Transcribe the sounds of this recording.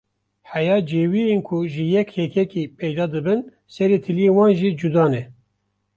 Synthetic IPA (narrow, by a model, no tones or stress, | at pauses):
ħæjɑːd͡ʒeːwienkʰuʒɨjɛkhɛkʰɛkipʰɛjd̪ɑːd̪ɨbɨn | sɛɾeːt̪ʰɨlijewɑːnʒid͡ʒud̪ɑːnɛ